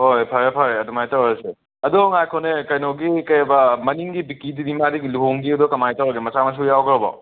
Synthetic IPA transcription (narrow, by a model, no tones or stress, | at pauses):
hojpʰaɾepʰaɾeɐdumajtawese | ɐdɔŋajkʰonekɐjnɔɡikɐjabɐmɐniŋɡibikidinimadiluɦoŋɡiɐdɔkɐmajtawɡimɐsamɐs̬ujawɡɾɔbɔ̰